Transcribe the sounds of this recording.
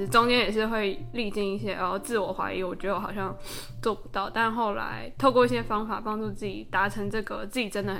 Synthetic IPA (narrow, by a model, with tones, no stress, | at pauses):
ʈ͡ʂʊ˥ŋt͡ɕʰjɛ˥njɛ˨˩ʂ̬ɻ̩˥˧xwe˥˧ɪli˥˧t͡ɕi˥˧ŋi˥˩ɕ̬jɛ˥ʔɔ˥˧˩t͡sɹ̩˥˩wɔ˨˩xwa̰˧˥i˧˥wɔ˨˩t͡ɕɥɛ˧˥˧xɑ˨˩ʊɕjɑ˥˧ŋt͡swɔ˥˩pu˧˥t̪ɑ˥˩ʊt̪a˥˧nxo˥˩ʊla̰˧˥ɪt̪ʰo˥˧ʊkwɔ˥˧i˥˩ɕjɛ˥fɑ˥ŋfa̰˨˩pɑ˥ŋʈ͡ʂu˥˧t͡sɹ̩˥˩t͡ɕḭ˨˩t̪a˧˥ʈ͡ʂʰɤ˧˥ŋʈ͡ʂɤ˥˩ɡə˩t͡sɹ̩˥˩t͡ɕi˨˩ʈ͡ʂə˥nd̪ə˩xə˨˩